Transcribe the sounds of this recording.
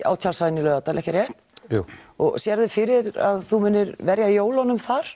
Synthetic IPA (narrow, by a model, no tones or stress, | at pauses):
ʔa̰ːwt̪ʰalsaðɪnːɪlœːɣat̪alʔɛhcɪɾjɛht̪ | ɔɣsjɛɾðɪfɪɾɪɾa̰ðθumɪnːɪɾvɛɾjajoːwlhɔnʏmfaɾ̥